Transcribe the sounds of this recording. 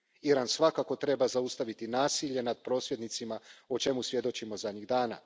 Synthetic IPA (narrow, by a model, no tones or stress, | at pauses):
iɾansʋakako̞t̪ɾe̞bazaust̪aʋit̪inaːsiʎe̞nad̪̚pɾo̞ːsʋje̞d̪nit̪simaot͡ʃe̞musʋje̞d̪o̞t͡ɕimo̞zad̪ɲiɡd̪aːna̰